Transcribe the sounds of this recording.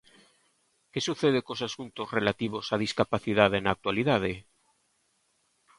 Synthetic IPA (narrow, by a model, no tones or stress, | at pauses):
ke̞suθeðekosasunt̪ozrelat̪iβ̞o̞saðiskapaθiðaðenak̚t̪waliðað̞e